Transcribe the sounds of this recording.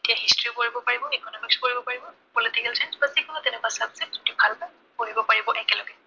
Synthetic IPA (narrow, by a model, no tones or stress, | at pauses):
etijaɦistɹipoɹibɔpaɹibɔikʰɔnɔlukskoɹibɔpaɹibɔpolitikalt͡ʃenzbasikʰɔnɔtɛnɛkasabsɛbzitʊbʱalba | koɹibɔpaɹibɔʔɛkɛlɔɡɛ